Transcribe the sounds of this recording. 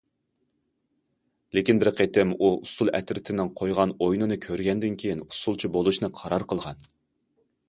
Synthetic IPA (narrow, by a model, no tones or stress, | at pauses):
lekʲinbɪɾqʰet̪ɪmuust̪ulˠɛ̰t̪ɾɪt̪ʰɪnɪŋqʰojʁɑnojnɨnɨkʲʰøɾɡʲɛnd̪ɪnkʲʰejinu̥sulˠt͡ʃʰibolˠuʃnɨqʰɑɾɑɾqʰəlˠʁɑn